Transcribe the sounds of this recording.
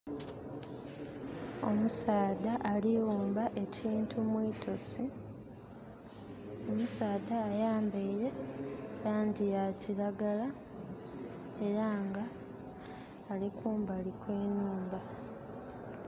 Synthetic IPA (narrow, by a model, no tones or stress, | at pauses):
o̞musaːd̪aʔalijuːmbaʔe̞ciːntʰumwiːtʰo̞si | o̞musaːd̪aːjaːmbeiɾe̞laːɲɟijaciɾaɡala | e̞ɾaŋɡa | likuːmbalikweːnuːmba